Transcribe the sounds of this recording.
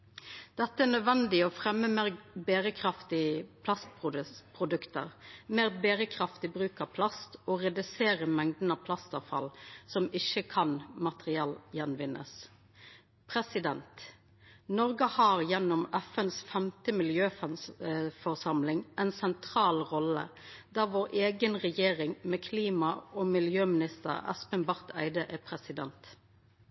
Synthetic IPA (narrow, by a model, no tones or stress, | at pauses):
d̪̥ɛt̪ːəɛːnœd̪ʋɛnd̪ɪɔːfʁɛmːəmeːʁbeːɾəkʰʁɑft̪ɪəpʰlɑst̪̚pʰʊpʰʁʊd̪ʉkt̪ə̰ʁmeːʁbeːɾəkʰʁɑft̪ɪbʁʉːkəpʰlɑst̪oːʁɛd̪ʉseːʁəmɛŋd̪nəpʰlɑst̪ɑʋfɑ̰lsɔmɪçəkʰɑnmɑt̪ʁɪɑːljɛnʋɪnʔə̰s | pʰʁɛsɪd̪ɛnt̪ | nɔʁɡəhɑːʁjɛnːɔmæfənsfɛmt̪əmɪljøːfnfɔʁsɑmlɪŋʔɛnsɛnt̪ʰʁɑːlʁɔlə̰d̪̥æːʋoːʁʔeːɡənʁɛjeːʁɪŋmɛːkʰliːmɑoːmɪljøːmɪnɪst̪ə̰ʁɛ̰spənbɑʁt̪ʰæɪd̪əʔɛpʰʁɛsɪd̪ɛnt̪